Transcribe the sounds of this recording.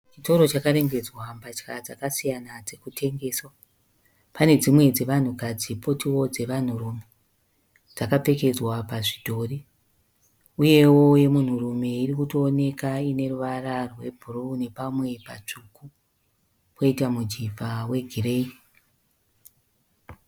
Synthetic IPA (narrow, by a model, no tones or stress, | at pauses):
t͡ʃito̞ɾo̞t͡ʃakaɾe̞ŋɡe̞d͡zwambat͡ʃkad͡zakasijanad͡ze̞kutʰe̞ŋɡe̞ːswa | pane̞d͡zimwe̞d͡ze̞ʋan̤ukad͡zipo̞tiwo̞d͡ze̞ʋan̤urume | d͡zakape̞ke̞d͡zwapaʐidʱo̞ri | uje̞wo̞je̞mun̤urume̞irikutoːne̞kaine̞ruʋararwe̞bʱuɾune̞pamwe̞pa̰t͡ʂuku | ko̞itamud͡ʒivawe̞ɡʱire̞i